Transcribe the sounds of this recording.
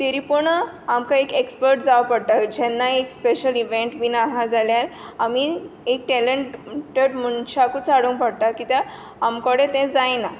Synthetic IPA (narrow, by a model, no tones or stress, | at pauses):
t̪eɾipuɾɳə | amkaekekspəɾʈ̚d͡zaʋpəɽt̪ad͡ʑɛnːaekspeɕəliʋẽɳʈbinaɦad͡zaljaɾ | amiek̚ʈɛleɳʈʈeɖm̤unɕakut͡saɽũŋpəɽt̪akit̪jãː | mkɔɽẽt̪ɛ̃d͡zajna